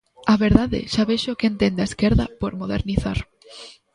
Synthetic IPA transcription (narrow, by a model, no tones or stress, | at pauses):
aβeɾðaðḛʃaβeʃokent̪end̪aeskeɾðapoɾmoðḛɾniθa̰ɾ